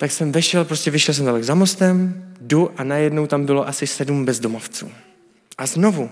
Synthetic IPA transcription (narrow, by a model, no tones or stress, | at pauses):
t̪aksɛmvɛʃɛlpɾoscɛvɪʃɛls̬ɛmd̪alɛɡzamo̞st̪ɛmduʔanajɛdno̞wt̪ambɪlo̞ʔasɪsɛdumbɛzdomo̞ft͡sṵː | ʔazno̞vu